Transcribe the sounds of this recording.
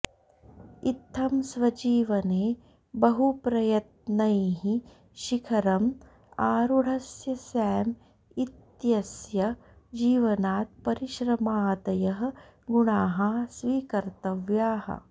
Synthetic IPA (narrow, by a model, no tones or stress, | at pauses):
it̪ʰːɐmsʋɐd͡ʒiːʋɐneː | bɐɦupɾɐjɐt̪̚nɐjɦi | ʃikʰɐɾɐm | aːɾuɽ̤ʱɐsjɐsɛːm | it̪jɐsjɐ | d͡ʒiːʋɐnaːt̪̚pɐɾiʃɾɐmaːd̪ɐjɐɦɐ̆ | ɡuɳaːɦɐsʋiːkɐɾt̪ɐʋjaːɦɐ̰